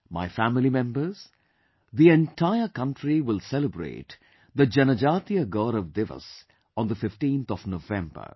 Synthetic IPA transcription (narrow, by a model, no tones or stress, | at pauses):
ma̰ɪfæmɪlimɛ̃mbəz̥ | ðiɛ̃nʈʰaɪəkʌ̃nʈʰɾiwɪlˠsɛləbɾḛːʈ | d̪əd͡ʒɛnəd͡ʒat̪iəɡoːɾɔvd̪ɪvə̰s | ɔ̃nd̪əfɪfʈĩːnt̪ɔvnovɛ̃mbə̰ɹ